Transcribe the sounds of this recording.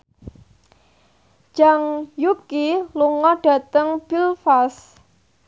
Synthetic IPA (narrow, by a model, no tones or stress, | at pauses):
d͡ʒ̥aŋjukiluŋɔɖ̥ä̤t̪əŋb̥ilfas